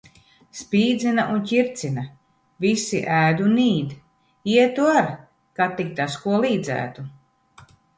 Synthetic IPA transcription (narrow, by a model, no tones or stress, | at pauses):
spiːd̪zinaʔuncʲiɾt̪sina | visiʔæːd̪uniːd̪ | iɛt̪uaɾ | kat̪ːik̚t̪askuɔlˠiːd̪zæ̰ːt̪u